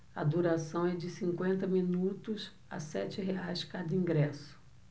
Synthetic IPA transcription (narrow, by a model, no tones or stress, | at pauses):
ɐ̰d̪uɾasɐ̃w̃ɛd͡ʒɪsĩŋkwẽnt̪ɐmĩnut̪ʊs | a̰sɛ̰t͡ʃɪɦeajskad̪ɐĩŋɡɾɛsʊ̥